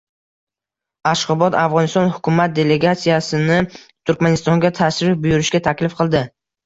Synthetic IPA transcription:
aʃqɒbɒt̪afʁɒnɪst̪ɒnhʊkʰʲʊmat̪̚d̪e̞le̞ɡat̪sijasɪnɪt̪ʰʊɾkʲmanɪst̪ɒŋɡʲat̪ʰaʃɾɪfbʊjʊɾɪʃɡʲat̪ʰakʲlɪfqʰɨlˠd̪ɪ

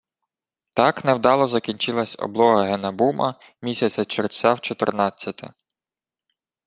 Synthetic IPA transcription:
t̪ɑknewd̪ɑlˠɔzɐkʲinʲt͡ʃɪlˠɐsʲɔ̰blˠɔɦɐɦɛnɐbumʔɐmʲisʲɐt͡sʲɐt͡ʃersʲɑwt͡ʃɔt̪ɪ̰rnɑt͡sʲːɐt̪ɪ̰

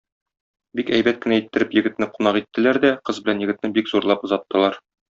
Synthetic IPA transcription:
bikæjbæt̪̚kɘ̆næit̪ːɘ̆ɾɘpjɘ̆ɡɘ̆t̪nɘqunɑqit̪ːɘ̆læɾd̪æqɤzbɘ̆lænjɘ̆ɡɘ̆t̪nɘbikzuɾlˠɑpŏzɑt̪ːɤ̆lˠɑɾ

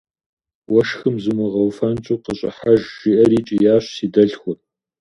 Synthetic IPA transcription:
wɐʃxɨmzɨmɨʁɐwfɐnt͡ʃʼuːqəɕʼɪ̰ħaʒʒ̥iʔɐɾiːt͡ʃʼijaːɕsiːdɐɬxʷʊr

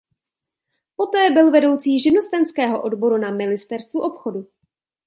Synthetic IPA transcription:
po̞t̪ɛːbɪlvɛdo̞wt͡siːʒɪno̞st̪ɛnskɛːɦo̞ʔodbo̞ɾunamɪnɪst̪ɛɾst̪vuʔo̞pxo̞du

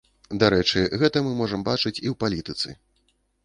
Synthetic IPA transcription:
d̪aɾɛt͡ʂɨɣɛt̪ɐmɨmɔʐɐmbat͡ʂɨt͡sʲiwpalʲit̪ɨt̪sɨ̰

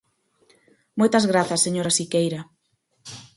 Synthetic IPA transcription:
mojt̪ɐzɣɾaθɐsːeɲoɾasikejɾa

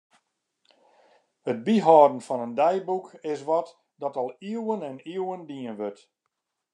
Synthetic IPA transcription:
hət̚biɦɔːdən̩fɔnəndɛjbukɪs̬ʋɔt | dɔtɔlˠiəwənɛniəwəndiənʋøt

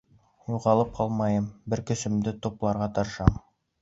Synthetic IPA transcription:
juʁɑlˠɤp̚qʰɑlˠmɑjɤmbɘɾkɵ̆sɵ̆md̪ɘt̪oplˠɑɾʁɑt̪ɤ̆ɾʃɑm

